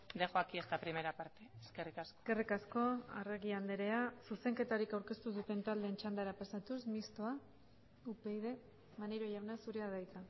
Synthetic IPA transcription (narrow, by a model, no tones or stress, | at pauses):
d̪exoakiest̪apɾime̞ɾapaɾt̪e̞eskerikasko̥ke̞rikasko̞a̰reɣiand̪eɾe̞asuse̞ŋke̞t̪aɾikawɾke̞st̪uðut̪e̞nt̪ald̪e̞ːnt͡ʃand̪aɾapasat̪usmist̪o̞a | upe̞iðe̞ | maneɾoʝawnasuɾeaðajt͡s̪a